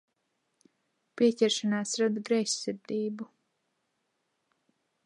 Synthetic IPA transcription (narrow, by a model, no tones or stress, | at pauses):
piɛcʲɛɾʃanaːsɾad̪ɡɾɛjssɨɾd̪iːbu